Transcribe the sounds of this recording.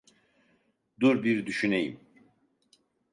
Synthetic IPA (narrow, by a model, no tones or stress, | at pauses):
d̪oɾbiɾd̪yʃynejḭm